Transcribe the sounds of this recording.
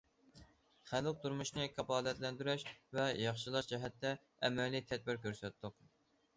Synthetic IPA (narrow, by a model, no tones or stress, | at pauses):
χælˠɨk̚t̪uɾmuʃnɨkʰɑpɑːlɛt̪lɛnd̪yɾɛʃvɛjɑχʃilˠɑʃd͡ʒɛɦɛt̪ːɛ | ɛmɛlijt̪ʰɛd̪̚bɪɾkʲøɾsɛt̪ːʊq